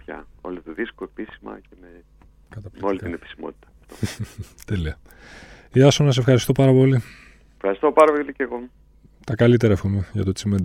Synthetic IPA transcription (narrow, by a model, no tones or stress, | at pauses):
pçɐ̰o̞̰lit̪oðiskoepisimɐ̰ceme | kɐt̪ɐpmeolit̪inepi̥simot̪i̥t̪ɐ̥ | ot̪eliɐ | iɐsomnɐs̬efxɐɾist̪o̞pɐɾɐpo̞li | efxɐɾist̪o̞pɐɾɐpoliceɣo̞ | t̪ɐkɐlit̪eɾɐxumeʝɐt̪ot͡simend̪